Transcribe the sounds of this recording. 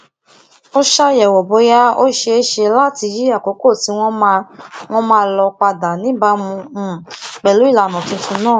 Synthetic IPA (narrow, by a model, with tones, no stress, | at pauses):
o˦ʃa˧jɛ˨wɔ˨bo˨˧˦ja˦o˦ʃe˧e˦ʃe˧la˦ti˧ji˦a˦˨ko˨˦ko˦˨ti˨˦w̃ɔ̃˦m˧w̃ɔ̃˦mãː˦˧˦lɔ˧k͡pa˧da˨nĩ˨˦ba˧˦mũ˧˨k͡pɛ˨lu˨˦i˦˨la˨nɔ̃˨tĩ˧tʰũ˧˦nãː˦˨